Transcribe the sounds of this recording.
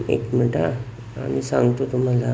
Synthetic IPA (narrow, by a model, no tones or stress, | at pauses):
ḛkm̤əʈa | a̰ɽ̃isãŋɡt̪ot̪um̤ala